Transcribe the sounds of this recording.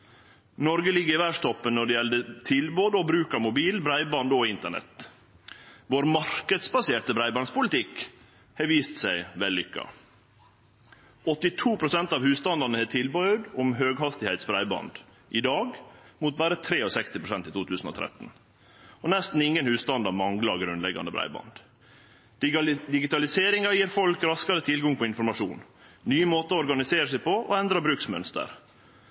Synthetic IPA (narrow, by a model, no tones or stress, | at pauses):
nɔɾɡəlɪɡːəɾɪʋæʂt̪ʰɔpːənːɔɖɛjɛld̪ət̪ʰɪlboːd̪əɔbɾʉːkɑmʊbiːlbɾæɪbɑnd̪ɔɪnt̪əɳɛ̰t̪ | ʋoːɾmɑɾkəd̪sbɑseːɾt̪əbɾæɪbɑnd̪spʊlɪt̪ʰɪk | hɛʋiːst̪sæɪʋɛlːʏkːɑ̰ | ɔt̪ɪt̪ʰuːpʰɾʊsɛnt̪ɑːʋhʉːst̪ɑnd̪ɑnəhɛːt̪ʰɪlbɑd̪ʊmɦøːɡhɑst̪ɪhæɪt̪sbɾæɪbɑ̰nd̪ | ʔɪd̪ɑːɡmut̪̚bæːɾət̪ʰɾeːɔsɛkst̪ɪpɾʊsɛnt̪iːt̪uːt̪ʰʉːsn̩ɔ̰ːt̪ʰɾɛ̰t̪n | ɔnɛst̪n̩ɪŋːənhʉːst̪ɑnd̪ɑɾmɑŋlɑɾɡɾʉnlɛɡɑ̰nəbɾæ̰ɪbɑ̰nd̪ | d̪̥d̪ɪɡɪt̪ɑlɪseːɾɪŋɑjiːɾfɔlkɾɑskɑɾət̪ʰɪlɡɑŋpʰɔɪnfɔɾmɑʂuːn | nyːəmoːt̪əɔɾɡɑnɪseːɾəʂɛɪpɔʔɔ̰ɛnd̪ɾɑbɾʉːksmœnst̪ə̰ɾ